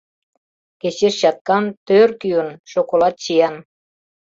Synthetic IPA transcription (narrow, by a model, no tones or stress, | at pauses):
ket͡ɕeʃɕɑt̪̚kɑnt̪ørkyənʃokolɑt̪̚t͡ɕijɑn